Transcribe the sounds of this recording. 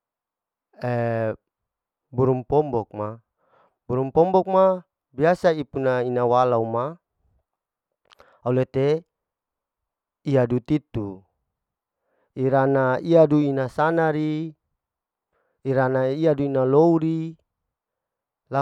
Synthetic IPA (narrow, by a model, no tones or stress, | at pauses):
e | buɾumpɔmbɔk̚ma | buɾumpɔmbɔk̚ma | biasaipunainawalauma | aulet̪e | iadut̪it̪u | iɾanaiaduinasanaɾi | ɾanaiaduinalouɾi | la